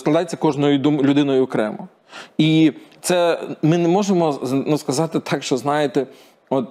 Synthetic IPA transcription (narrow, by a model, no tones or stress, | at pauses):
sklˠɐd̪ɑjet͡sʲːɐkɔʒnɔjʊd̪umlʲʊd̪ɪnɔjʊɔkɾɛ̰mʊ | it̪sɛmɪnɛmɔʒemɔnuskɐzɑt̪ɪt̪ʰɑkʃt͡ʃɔznɑjet̪ɛ | ɔt̪̚